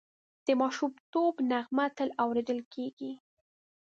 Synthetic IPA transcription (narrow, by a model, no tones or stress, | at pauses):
d̪̥əmɑʃumt̪obnaɣmat̪əlawɾed̪əlkeɡi